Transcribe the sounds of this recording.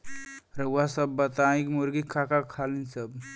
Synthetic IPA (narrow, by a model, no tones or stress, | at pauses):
ɾəwʋasəbːət̪aikmoɾɡikʰakakʰalinsəb